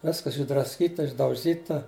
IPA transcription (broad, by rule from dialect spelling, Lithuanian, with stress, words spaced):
ˈʋʲɪskɐs ɪʒdrɐsʲˈkʲiːtɐ ɪʒdɐʊˈʒʲiːtɐ